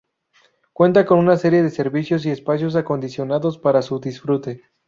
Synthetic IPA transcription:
kwe̞nt̪ako̞nunase̞ɾje̞ðe̞se̞ɾβisjo̞s̬ie̞spasjo̞s̬ako̞nd̪isjo̞naðo̞spaɾasuðisfɾut̪e̞

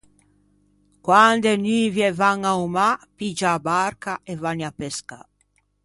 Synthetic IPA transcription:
kwand̪enyvjɛvaŋaumapid͡ʒaːbaɾkaʔevaniapeska̰

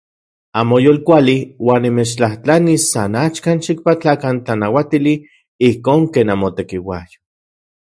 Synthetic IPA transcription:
amojoːlkʷaliwaːnːimet͡ʃt͡ɬaht͡ɬanisːanat͡ʃkanʃik̚pat͡ɬakant͡ɬanawat̪ili | ihkoːŋkeːnamot̪ekiwa̰jo̥

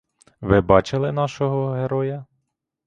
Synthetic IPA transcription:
ʋɪbɑt͡ʃɪlˠɪnɑʃɔɦɔɦeɾɔjɐ

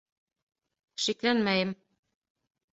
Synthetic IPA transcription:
ʃiklænmæjɘm

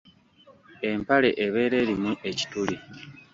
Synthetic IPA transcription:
empale̞ʔeβe̞ːɾe̞ːɾimue̞ci̥tuli

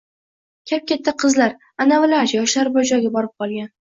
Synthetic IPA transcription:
kʲʰap̚kʲat̪ʰːaqʰɨzlaɾ | anavɪlaɾjɒʃlaɾbɒd͡ʒɒɡʲabɒɾɪp̚qʰɒlˠɡʲan

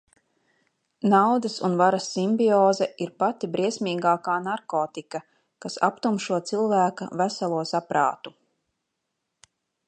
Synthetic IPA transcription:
nawd̪ɐsunvaɾasːimbiɔːzɛiɾpat̪ibɾiɛsʲmiːɡaːkaːnaɾkoːt̪ika | kasa̰pt̪umʃuɔt̪silˠvæːka̰væsalˠuɔsapɾa̰ːt̪u

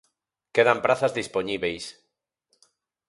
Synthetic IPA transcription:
keðampɾaθazðisponiβejs

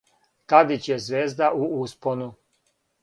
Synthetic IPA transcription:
k̪ad̪it͡ɕjezʋeːzd̪aʔuusponu

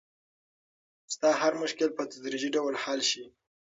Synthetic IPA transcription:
st̪ɑɦaɾmʊʃkɪlpət̪ad̪ɾid͡ʒiɖawlhɑlʃi

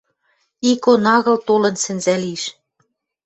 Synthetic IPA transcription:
ikonɑɣɤ̆lt̪olɤ̆nsɘ̆nzæliʃ

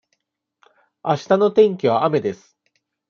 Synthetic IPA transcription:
aɕi̥t̪ano̞t̪ẽ̞ŋkʲiβ̞aame̞d̪e̞sɨ̥

